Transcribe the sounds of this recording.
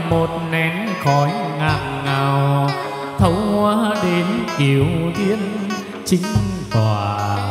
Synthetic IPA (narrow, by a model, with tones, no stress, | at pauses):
mo˨˩t̚nɛ˨˧˦n | xɔ˨˧˦jŋaː˧˩mŋaː˨˩w | t̪ʰə˨˦wŋwaː˨˧˦ɗe˧˦nki˨˩əwzi˧˦˥ən | t͡ɕï˨˦ŋ̟t̪waː˨˩